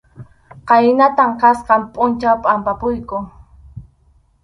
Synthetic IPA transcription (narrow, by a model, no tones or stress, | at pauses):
qɑjnat̪amqɑsqɑmpʼʊnt͡ʃawpʼampapʊjkʊ